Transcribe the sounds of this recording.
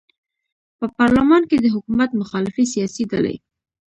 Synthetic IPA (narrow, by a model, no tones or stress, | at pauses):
pəpɑɾlamɑnked̪əɦʊkumat̪mʊxɑlɪfisijɑsid̪alḛj